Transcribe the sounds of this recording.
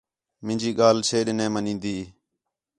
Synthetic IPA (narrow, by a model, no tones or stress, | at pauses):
mɪ̃nʲd͡ʒiːɠaːlt͡ʃʰeːɗnẽːmənĩːnd̪iː